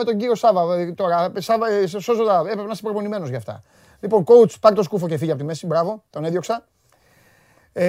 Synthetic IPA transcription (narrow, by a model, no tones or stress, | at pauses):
met̪o̞ɲɟiɾio̞sɐvɐt̪o̞ɾɐsɐvssozod̪ɐe̞pɾepenɐsepɾopo̞nime̞nozʝɐft̪ɐ̰ | liponko̞ut͡spɐɾit̪o̞skufo̞cefiʝiɐpot̪ime̞sibɾɐvo̞t̪o̞neðjo̞ksɐ